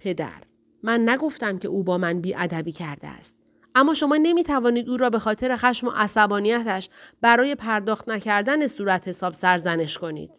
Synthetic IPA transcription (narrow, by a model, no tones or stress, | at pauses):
pʰe̞d̪æ̰ɾ | mænːæɡo̞ft̪æmcʰe̞̰uːbɒːmænbiːʔæd̪æbiːcʰæɾd̪ḛæ̰st̪̚ | ʔæmːɒːʃo̞mɒːne̞miːt̪ʰævɒːniːd̪uːɾɒːbe̞xɒːt̪ʰe̞ɾe̞xæʃmo̞̰ʔæsæbɒːnijæt̪ʰæʃb̥æɾɒːje̞pʰæɾd̪ɒːxt̪næcʰæɾd̪æne̞suːɾæt̪ʰhe̞sɒːbsæɾzæne̞ʃkʰo̞nḭːd̪̥